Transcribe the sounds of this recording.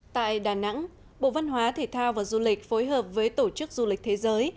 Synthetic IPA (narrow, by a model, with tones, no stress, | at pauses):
t̪a̰ː˧˨jɗaː˨˩na̰˧˥ŋ | ɓo̰˧˨va˧nɦwaː˨˦t̪ʰe˧˩t̪ʰaː˧wvaː˨˩wzu˧lï˨˩k̟̚fo˨˦jɦəː˨˩p̚vəː˨˦jt̪o˧˩t͡ɕɨ˦˥k̚zu˧li˨˩k̚t̪ʰe˨˦zəː˨˦j